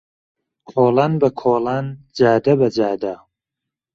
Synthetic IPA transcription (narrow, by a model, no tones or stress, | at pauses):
kʰoːlaːnbɐkʰoːlaːn | d͡ʒaːd̪ɐbɐd͡ʒaːd̪a